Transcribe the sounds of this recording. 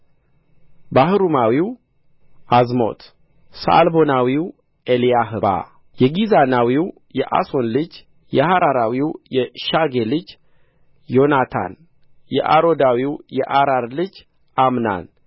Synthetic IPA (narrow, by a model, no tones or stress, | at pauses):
bahɨɾumawiw | ʔazmo̞̰t̪ | sa̰lbo̞nawiw | ʔelijaɦɨba̰ | jɛɡizanawiw | jɛʔa̰so̞nlɨd͡ʒ | jɛhaɾaɾawiwjɛʃaɡelɨd͡ʒ | jo̞nat̪ʰa̰n | jɛ̰ʔaɾo̞d̪awiwjɛʔaɾaɾlɨd͡ʒ | ʔamna̰n